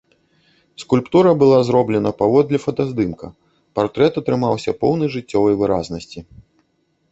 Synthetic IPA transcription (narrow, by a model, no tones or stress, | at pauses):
skulʲpt̪uɾɐbɨlˠazɾɔblʲɛnɐpavɔd̪lʲɐfɐt̪azd̪ɨmkɐ | part̪ɾɛt̪ɐt̪ɾɨmawsʲɐpɔwnɨjʐɨt͡sʲːɔvɐjvɨɾa̰znɐsʲt͡sʲi